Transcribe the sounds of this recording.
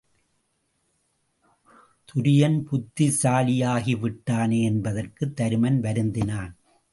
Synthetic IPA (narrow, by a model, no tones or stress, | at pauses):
t̪ʊɾɪjɐnpʊt̪ːisaːlɪjaːɣiʋɪʈːaːneːɛnbɐðɐrkɯt̪ːɐɾɯmɐnʋɐɾɯnd̪ɪnaːn